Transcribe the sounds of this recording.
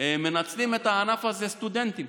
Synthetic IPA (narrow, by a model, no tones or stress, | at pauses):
mɪnat͡sliːmɛt̪anafazest̪ud̪ɛnt̪i